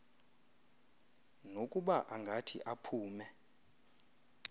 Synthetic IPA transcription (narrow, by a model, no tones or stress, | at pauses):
nokʼuɓaʔaŋɡʱatʰḭʔapʰuːmɛ